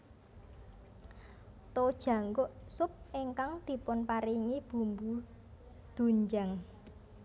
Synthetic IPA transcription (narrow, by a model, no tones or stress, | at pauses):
t̪od̥ʒ̥ä̤ŋɡʊʔsʊp̚iŋkaŋd̪̥i̤pʊnpaɾiŋib̥ṳmbu | d̪̥ṳɲd͡ʒaŋ